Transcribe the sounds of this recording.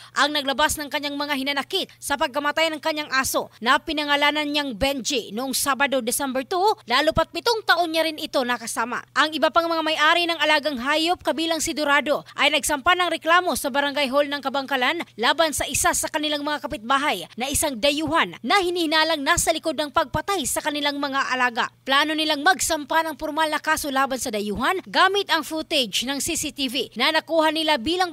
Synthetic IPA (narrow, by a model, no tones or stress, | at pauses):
ʔɐŋnɐɡlɐbasnɐŋkɐɲːaŋmɐŋahɪnɐnɐkit̪̚sɐpɐɡ̚kɐmɐt̪ajnɐŋkɐɲːaŋʔaːso̞nɐpɪnɐŋɐlaːnɐnɲaŋbɛnd͡ʒinoʔoŋsaːbɐd̪o̞d̪ɪsɛmbɛɹt̪ulaːlupɐt̪̚pɪt̪oŋt̪ɐʔo̞nɲːaɾɪnɪt̪o̞nɐkɐsaːmɐ̰ʔɐŋʔɪbapaŋmɐŋamɐjʔaːɾinɐŋɐlaːɡɐŋɦaːjop̚kɐbiːlɐŋsɪɡ̪ʊɾaːd̪o̞ʔɐjnɐɡsɐmpanɐŋɾɛklaːmo̞sɐbɐɾɐŋɡajɦo̞lnɐŋkɐbɐŋkɐlanlaːbɐnsɐʔɪsasɐkɐnɪlaŋmɐŋakɐpɪt̪̚baːɦɐjnɐʔɪsaŋd̪ɐjuːhɐnnɐhɪnihɪnaːlɐŋnaːsɐlɪko̞d̪nɐŋpɐɡ̚pɐt̪ajsɐkɐnɪlaŋmɐŋaʔɐlaːɡɐ̰plaːno̞nɪlaŋmɐɡsɐmpanɐŋfʊɾmalnɐkaːso̞laːbɐnsɐd̪ɐjuːhɐnɡaːmɪt̪ɐŋfut̪ɛd͡ʒnɐŋsisit̪ivinɐnɐkuːhɐnɪlabiːlɐŋ